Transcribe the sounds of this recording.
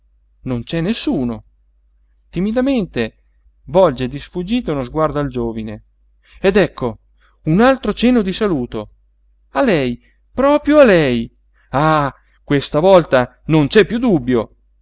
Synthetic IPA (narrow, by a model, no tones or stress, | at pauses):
nont͡ʃɛnːesːuːno | t̪imid̪ament̪e | vɔld͡ʒed̪isfud͡ʒiːt̪eunozɡward̪oald͡ʒoːvine | ed̪ɛkʰːo | unalt̪ɾot͡ʃɛnod̪isaluːt̪o | alɛj | pɾɔːpɾjoalɛj | a | kwest̪avɔlt̪a | nont͡ʃɛpːjud̪ubːjo